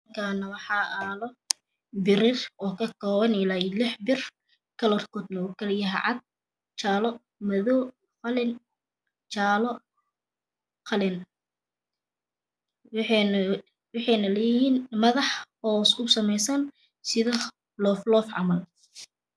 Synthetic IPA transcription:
kʰaːnɐwɑħɑʔalɔ | bɪɾɪrɔːkʰɐkʰɔːβɐnɪlaːɪlɪħbɪr | kʰɐlɔrkʰɔːd̪nɐʊkʰɐljɐɦɛʕɑd̪̚ | t͡ʃaːlɔ | mɐðɔw | qɑlɪn | t͡ʃaːlɔ | qʰɑlɪn | w | wɑħɑjnɐlɛjɪhiːnmɐðɑħhɔsʊsɐmɛjsɐn | sɪðɐ | lɔːflɔːfʕɑ̰mɐl

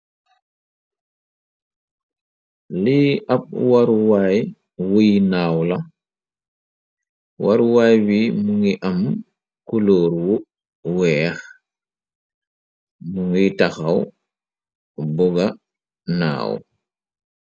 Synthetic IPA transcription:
liʔap̚waɾwaj | wujnaːwla | waɾwajwimuŋiʔam | kuloɾwu | wɛːx | muŋitaxaw | buɡa | na̰ːw

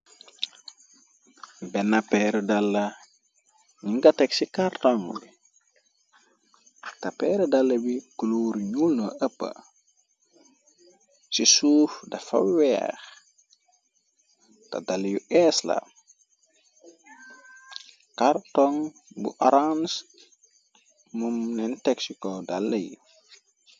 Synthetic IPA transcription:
bɛnapɛɾdalːɐ | ɲiŋɡatɛksikaɾtoŋbi | tɐpɛːɾɛdalːɐbikuluɾɲulnoəpːə̰ | sisuːfdɐfa̰wɛ̰ːx | ta̰dalːjuɛsla̰ | kaɾtɔŋ | bṵʔɔɾans | mumnɛntɛksikɔdalːɐjḭ

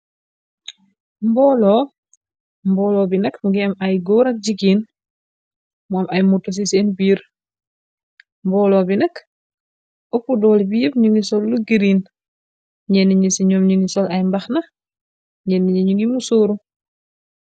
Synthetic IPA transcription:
mbɔːlɔː | mbɔːlɔːbinɐkmuɡiɐmɐjɡɔːɾɐk̚ɟiɡiːn | muamʔɐjmutːos̬isɛːnbiːɾ | mbɔːlɔbinɐk | opudɔːlbijəp̚ɲuŋɡisɔlːuɡiɾin | ɲɛnːiɲisiɲɔːmɲuŋɡisɔlɐjmbɐxnɐ | ɲɛniɲiɲuŋɡimusoːɾu

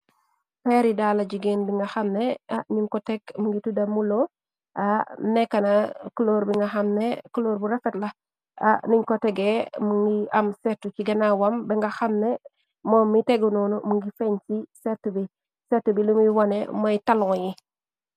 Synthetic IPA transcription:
fɛɾidaːlɐɟiɡenbiŋɡɐxɐmnɛaɲiŋkɔtɛɡmuŋɡitudɐmulɔ | anɛkːɐnakuloːɾbiŋɡɐxɐmnɛkuloːɾbuɾɛfɛtlɐ | a̰niɲkɔtɛɡɛmuŋɡiɐmsɛtːuciɡɐnawɐmbɛŋɡɐxɐmnɛ | mɔmːitɛɡunɔnumuŋɡifɛɲsisɛtːubi | sɛtːubilumujwɐnɛ̰mɐjtɐlŋɔji

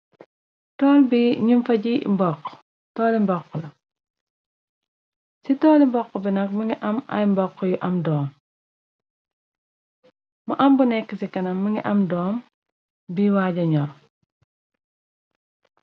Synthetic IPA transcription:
tɔːlbiɲumfɐɟimbɔqː | tɔːlimbɔqːɔlɐ | sitɔːlimbɔqːɔbinɐk̚muŋɡiʔɐmɐ̰jmbɔkːɔjuʔɐmdɔːm | mɐʔɐmbunɛkːəsikɐnɐmːuŋɡiʔɐmdɔːm | biwaːɟɐɲɔɾ

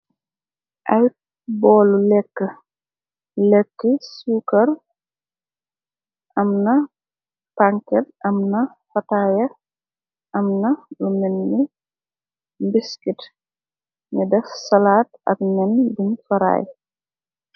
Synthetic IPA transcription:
ʔɐj | bɔːlulɛkːə | lɛkːəsuːkɐɾ | ʔɐmnɐ | paŋkɛt̚ʔɐmnɐ | fɐtajɐ | ʔɐmnɐlumɛnːi | mbiskit | ɲədɛfsɐlaːt̚ɐ̰k̚nɛnbinfɐɾa̰ːj

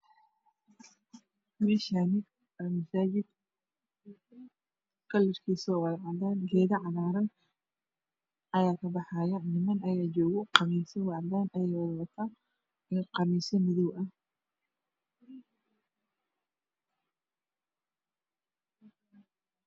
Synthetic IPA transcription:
mɛʃanɪ | mɐsaːd͡ʒɪd̪ | kʰɐlɪrkʰiːsɔːwɑlʕɑd̪aːnɡɛːðɐʕɑðaːɾɐn | ʔɐjaːkʰɐbɑħɑjɐnɪmɐnɐjaːd͡ʒɔːɣɔqɑmiːsɔwɑʕd̪aːnʔɐjɛjwɑɣwɐt̪ʰa | ɛːqɑmisɐmɪðɔwɐ

